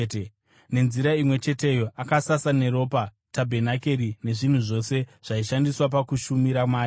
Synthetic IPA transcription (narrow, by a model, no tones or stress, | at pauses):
ne̞nziɾaimwe̞t͡ʃe̞te̞jo̞ʔakasasane̞ɾo̞ːpa | tabʱe̞nake̞ɾine̞ʐin̤uʐo̞ːse̞ʐ̥aiʃandiswap̬akuʃumiɾamaːi